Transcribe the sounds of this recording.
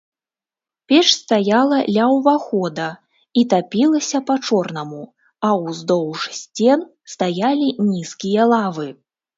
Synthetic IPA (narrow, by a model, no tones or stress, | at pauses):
pʲɛʂsʲt̪ajalˠɐlʲawvaxɔd̪ɐ | it̪apʲilˠɐsʲɐpat͡ʂɔrnɐmu | ɐwzd̪ɔwʂsʲt͡sʲɛn | st̪ajalʲinʲiskʲijɐlˠavɨ